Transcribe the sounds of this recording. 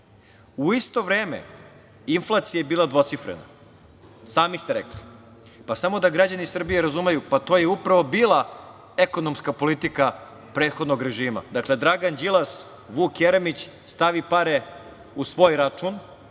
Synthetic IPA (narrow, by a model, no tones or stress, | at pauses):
uist̪o̞ʋɾeːmḛ | inflˠat̪sijajebiːlˠad̪ʋo̞t̪sifɾḛna̰ | saːmist̪e̞ɾḛkli | pasamo̞d̪aɡɾad͡ʑanisr̩bijeɾazumejupat̪ojeupɾaʋo̞biːlˠa | eko̞nomskapolit̪ika | pɾeːt̪xo̞d̪noɡɾe̞ʒiːma̰d̪akle̞d̪ɾaɡand͡ʑilˠas | ʋuːkjeɾemit͡ɕ | st̪aʋipaɾe | usʋo̞ːjɾat͡ʂun